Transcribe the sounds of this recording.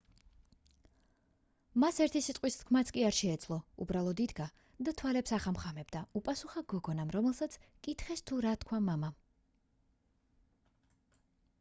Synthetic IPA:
masɛɾt̪ʰisit̪ʼqʼwist̪kʰmat̪sʰkʼiaɾʃɛːd̪zʰlˠɔṵbɾalˠɔd̪id̪ɡa | d̪at̪ʰwalɛpsaχamχamɛbd̪aupʼasuχaɡɔɡɔnamɾɔmɛlˠsat̪sʰkʼit̪ʰχɛst̪ʰuɾat̪kʰwamamam

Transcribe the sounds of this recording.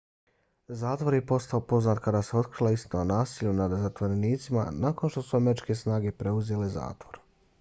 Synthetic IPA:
zaːt̪ʋo̞ɾje̞po̞st̪aopo̞znaːt̪kad̪aːse̞o̞t̪kɾilˠaist̪inonaːsiːʎunad̪zat̪ʋo̞ɾe̞niːt̪sima̰naːko̞nʃt̪o̞suameɾit͡ʃke̞snaːɡe̞pɾe̞uze̞leza̰ːt̪ʋo̞ɾ

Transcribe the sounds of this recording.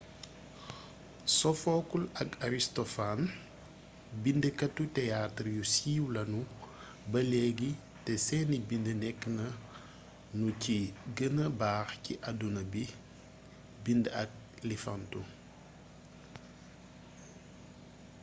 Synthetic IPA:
sɔfɔːkulɐkaɾistɔfan | bindəkɐtːutɛjatɾjusiːwlɐnu | bɐlɛɡi | tɛsɛːnibindənɛkːnɐ | nuciɡənəbaːxciʔɐdunɐbi | bindɐk̚ | lifantu

